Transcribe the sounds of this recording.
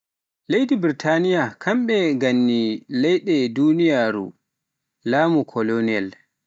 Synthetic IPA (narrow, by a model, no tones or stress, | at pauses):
lejdibiɾitʰanijakʰamɓɛɡanːilɛjɗɛdunijaːɾṵ | laːmukʰɔloniɛl